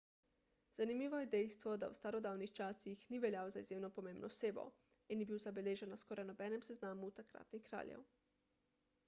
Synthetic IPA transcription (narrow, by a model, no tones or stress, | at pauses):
z̥animiːʋɔjɛd̪ɛjst̪ʋɔd̪a̰wst̪aɾod̪aːwnixt͡ʃaːsixniʋɛljaːozaizjeːmnopomẽːmbnɔseːbo̰ | injɛbiːwzabeleːʒɛnːaskoɾʔajnɔbɛːnɛmseznaːmut̪akɾa̰t̪nikɾa̰ːlʲjɛ̰w